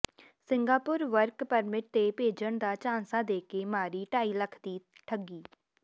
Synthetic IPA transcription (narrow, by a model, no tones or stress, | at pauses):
sɪŋɡaːpʊɾʋəɾkpəɾmɪʈ̚t̪eːpeːd͡ʒəɳd̪aːt͡ʃãːnsaːd̪eːkeːmaːɾiːʈaːiːləkʰd̪iːʈʰəɡiː